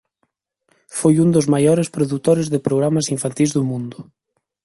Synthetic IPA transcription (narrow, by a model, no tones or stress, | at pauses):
fojund̪ozmajɔɾespɾoðut̪oɾezðepɾoɣ̞ɾamasiɱfant̪ilzðomũnd̪ʊ